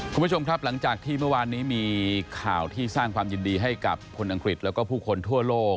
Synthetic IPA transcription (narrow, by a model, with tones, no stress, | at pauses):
u˧nmbu˥˩t͡ɕʰo˧mkʰɾa˦˥p̚la˩˦ŋt͡ɕaː˨˩k̚t̪ʰiː˥˩mɯ˥˩ɐwaː˧nːiː˦˥miː˧kʰaː˨˩wt̪ʰiː˥˩saː˥˩ŋkʰwaː˧mji˧ndiː˧ɦa˥˩jka˨˩pʰːo˧nʔa˧ŋkɾi˨˩t̪̚lɛː˦˥wkɔː˥˩pʰuː˥˩kʰo˧nt̪ʰu˥˩ɐloː˥˩k̚